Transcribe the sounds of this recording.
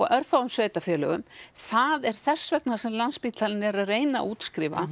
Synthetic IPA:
ɔɣœɾfawʏmsveːjt̪afjɛːlʏɣʏmθaðɛɾ̥θɛsːvɛknasɛmlanspiːt̪alɪnɛɾaðreːjna̰ʔuːt̪skɾɪːva̰

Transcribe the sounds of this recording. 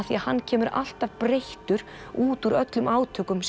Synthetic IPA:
θiaðhanːcʰɛːmʏɾʔa̰l̥t̪avpɾeht̪ʏɾ̥ | uːt̪uɾœt̪lʏmaːwt̪ʰœːkʏms

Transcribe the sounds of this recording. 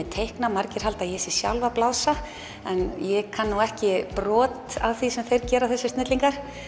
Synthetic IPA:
ɛt̪ʰejhknamaɾcɪɾ̥halt̪aðjɛsɪ̥sja̰wlvaplawsa | ɛnjɛkʰanːuɣɛhcɪpɾɔːt̪awθisɛmθejɾcɛːɾaθɛsːʏst̪ɪt̪liŋkaɾ̥

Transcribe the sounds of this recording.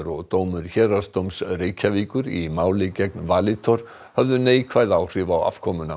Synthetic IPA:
ɾɔɣt̪oːwmʏɾ̥çɛːɾast̪owmsreːjcʰaviːkʏɾimaːwlɪcɛknvaːlɪt̪ʰɔɾ̥ | hœvðʏneːjkʰvajðawr̥ɪːvawa̰v̥kʰɔmʏna

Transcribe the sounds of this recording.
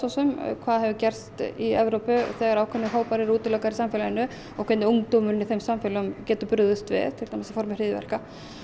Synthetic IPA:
ɔsʏmkʰvaːðhɛvʏcɛr̥st̪iɛvɾowpʏθɛːɣaɾawkʰɛnːɪɦoːwpaɾɪɾuːt̪ɪlɔːkaɾisamfɛlajɪnːʏ | ɔkʰɛnɪuŋkt̪owmʏɾɪnːɪθejmsamfɪlʏmcɛːt̪ʏpʏɾðʏst̪vɪ̰ðt̪ʰɪlɾ̥t̪amasḁfɔɾmɪr̥ɪːðɪvɛ̰ɾ̥ka

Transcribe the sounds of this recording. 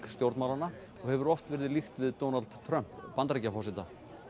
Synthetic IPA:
kst̪jowɾt̪mawlana | ɔɣhɛvʏɾɔft̪vɛɾɪðɪlixt̪vɪðt̪ownalt̪t̪ʰːɾœm̥pːant̪ɾɛcːafɔsɪt̪a

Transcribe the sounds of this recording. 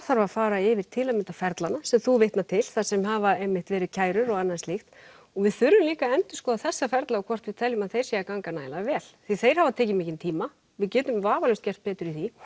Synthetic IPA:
θaɾvafaːɾaɪvɪɾ̥t̪ʰɪlamɪnt̪afɛɾt̪lanasɛmθuveht̪nat̪ʰɪlθḁsɛmɦaːvaejmːɪht̪vɛːɾɪcʰaːjɾʏɾɔɣanːanst̪ixt̪ | ɔɣvɪðθʏɾːʏmliːkaɛnt̪ʏskɔːðaθɛsːafɛɾt̪laɔkʰvɔr̥t̪vɪðt̪ʰɛljʏmaðθejɾ̥sɛːakaŋkanaːjlavɛːlθiθejɾ̥havat̪ʰɛːcɪmɪːcɪnt̪ʰiːma | vɪðcɛːt̪ʏmvaːvalʏwst̪cɛr̥t̪̚pɛːt̪ʏɾiθi

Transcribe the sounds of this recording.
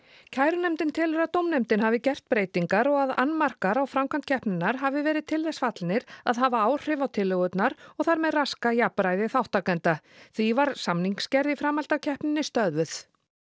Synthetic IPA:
cʰaːjɾʏnɛmt̪ɪnt̪ʰɪlʏɾat̪owmnɛmt̪ɪnɦavɪcɛr̥t̪̚pɾeːjt̪iŋkaɾɔɣaða̰nːmar̥kaɾawfɾawmkʰant̪cʰɛhpnɪnːaɾ̥ɦavɪvɛːɾɪðt̪ʰɪlðɛsfat̪lnɪɾaðɦaːvaaːwr̥ɪvawt̪ʰɪlːʏɣʏt̪naɾɔɣθaɾmɛðraskajapɾajðɪθawht̪akɛnt̪a | θvivaɾ̥samniŋkscɛɾðifɾaːmalt̪acʰɛhpnɪnːɪst̪œðvʏθ

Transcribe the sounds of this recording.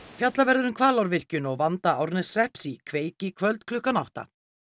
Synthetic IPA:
fjat̪lavɛɾðʏɾʏmkʰvaːlawɾvɪr̥cʏnɔɣvant̪aawɾnɛsrɛhpsikʰveːjcɪkʰvœlt̪kʰlʏhkanawht̪a̰

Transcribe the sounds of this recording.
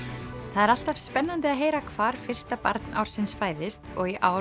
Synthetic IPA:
θaðɛɾal̥t̪av̥spɛnːant̪ɪaðɦeːjɾakʰv̥aːɾ̥fɪr̥st̪apa̰ɾt̪na̰wɾ̥sɪnsfaːjðɪst̪ɔɣiʔaːw

